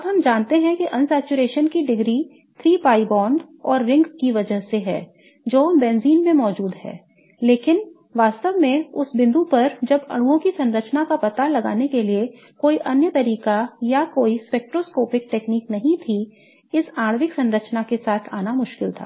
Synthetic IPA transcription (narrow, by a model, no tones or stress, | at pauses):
ɐbɦɐmd͡ʒaːnt̪eɦɛ̃kiʔɐ̃nsɛːt͡ʃuɾeːʃənkiɖɪɡɾi | t̪ʰɾiːpaːibɔ̃ːɳɖ | ɔːɾːɪ̃ŋɡkiʋɐd͡ʒəɦseɦɛ̰ː | d͡ʒoːbɛ̃ːnziːnmẽmɔːd͡ʒuːd̪ɦɛ̰ː | leːkɪn | ʋaːst̪əʋmẽʊsbɪ̃nd̪upɐɾd͡ʒɐbɐ̰ɽ̃uõkisɐ̃nɾət͡ʃnakapɐt̪alɐɡa̰ːnekelie | koːiʔɐnjət̪ɐɾiːkajakoːispɛːk̚ʈɾoːskoːpɪk̚ʈeːkniːknɐɦĩt̪ʰi | ɪsaːɽʋɪksɐ̃nɾət͡ʃnakesaːt̪ʰaːnamʊʃkɪlt̪ʰa̰ː